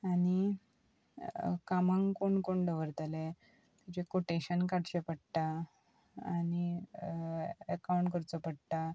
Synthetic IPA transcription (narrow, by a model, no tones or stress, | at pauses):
ani | kamãŋɡkuɳkoɳɖəʋəɾt̪ale | t̪it͡ɕekoʈeɕənkaɽɕepəɽt̪a | ani | əkawɳʈkəɾt͡sɔpəɽt̪a